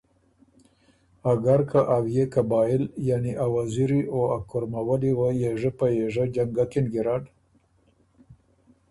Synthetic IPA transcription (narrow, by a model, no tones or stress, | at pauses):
aɡaɾkaʔawjekabɑɪljaniʔawaziɾioakʊɾmawaliwajeʐəpajeʐad͡ʒaŋɡakɪnɡiɾɑɖ